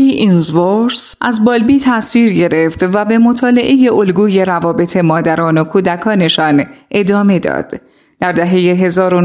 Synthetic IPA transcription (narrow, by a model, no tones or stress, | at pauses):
iinzvoɾsʔæzbɒːlbiːt̪ʰæsiːɾɟe̞ɾeft̪væbe̞mo̞t̪ʰɒːle̞ʔe̞je̞ʔo̞lɡuːje̞ɾævɒːbe̞t̪ʰe̞mɒːd̪æɾɒːno̞kʰuːd̪ækʰɒːne̞ʃɒːnʔe̞d̪ɒːme̞d̪ɒ̰ːd̪̥ | d̪̥æɾd̪æɦe̞je̞ɦe̞zɒːɾo